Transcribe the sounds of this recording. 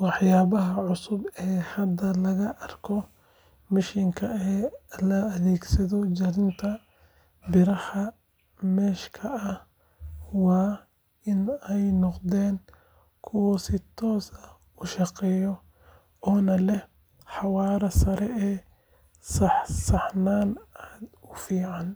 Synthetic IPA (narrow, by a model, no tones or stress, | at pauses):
wɑħjaːβɐɦɐʕʊsʊbɛːhɐd̪ɐlɐɣɐʔɐrkʰɔ | mɪʃiŋkʰɐɛːlɐːðɛːɡsɐðɔd͡ʒɐɾɪnt̪ʰɐ | bɪɾɐhɐ | mɛːʃkʰɐːh | wɑː | ɪnɛjnɔqd̪ɛːŋ | kʰʊwɐsɪt̪ʰɔːsɐ | ʊʃɑqɛːjɔ | ɔːnɐlɛ | ħɑwɑːɾɐsɐɾɛɛː | sɐħsɐħnaːnaːd̪ʊfiːʕɑn